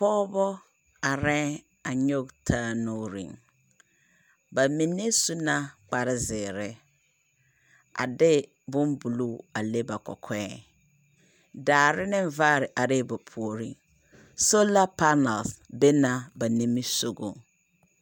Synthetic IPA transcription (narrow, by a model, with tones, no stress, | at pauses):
pɔː˦bɔ˦ | a˨ɾɛ̃˦ | a˨ɲo˦ɡtʰaː˦no˦ɾḭ˨ŋ | ba˨mi˨ne˦su˦na˦k͡pa˨ɾɪ˦zɪː˨ɾɪ˦ | a̰˨dɪ˦ | bʊ˦mbu˨lu˦a˨le˦ba˨kɔ̰˨kʰɛ˦ | daː˨ɾɪ˦nɪ˦ɱ˦vaː˦ɾɪ˨ʔa˨ɾɪ˦bʊ˨pʰu˨o˨ɾḭ˦ŋ | so˦la˦pa˦na˨lsbe˦na˨ba˨ni˦mi˦so˨ɡo˨ŋ